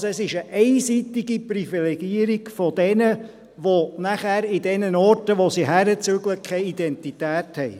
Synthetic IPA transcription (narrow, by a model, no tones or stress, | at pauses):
sɛsɪʃəʔɛɪsitiɡiprifilɛɡ̥iəɾiɡ̥fɔd̥ɛnə | ʋonæχæɾɪdɛnənɔrtəʋosiɦæɾət͡søɡləkʰɛɪidɛntitæːthɛɪ